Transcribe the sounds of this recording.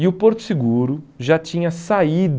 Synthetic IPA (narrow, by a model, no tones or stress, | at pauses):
ɪʊpoɾt̪ʊ̥siɡuɾʊʒat͡ʃĩɲɐsaid̪